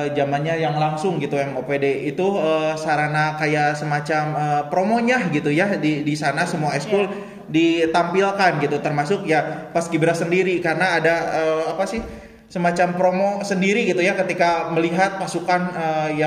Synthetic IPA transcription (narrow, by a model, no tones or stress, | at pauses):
d͡ʒamanɲajaŋlaŋsʊŋɡit̪uɛmopedeit̪uəsaɾanakajasəmat͡ʃaməːpɾomoɲahɡit̪ujadidisanasəmuaɛskul | dit̪ampilkanɡit̪ut̪ərmasʊk̚japaskibəɾasəndiɾikarənaːdaəapasɪh | səmat͡ʃampɾomosəndiɾiɡit̪ujakət̪ikaməliɦat̪̚pasukanəja